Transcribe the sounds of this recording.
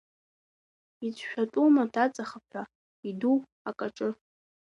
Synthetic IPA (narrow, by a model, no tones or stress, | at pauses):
it͡sʰʼʃᶣatʼumatʰat͡sʼaχapʰa | idu | akʼaʈ͡ʂʼɨ